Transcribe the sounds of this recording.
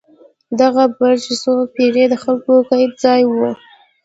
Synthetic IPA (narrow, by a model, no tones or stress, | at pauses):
d̪aɣabad͡ʒisopeɾed̪əxalkokajp̚d͡zɑjwə